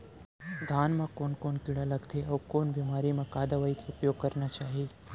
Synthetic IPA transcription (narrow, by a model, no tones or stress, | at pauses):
d̪ʱaːnmãkonkonkiɽaləɡt̪ʰeɐwkoːnbimaɾimãkad̪aʋaikʊpjoɡ̚kəɾnat͡ʃaːɦi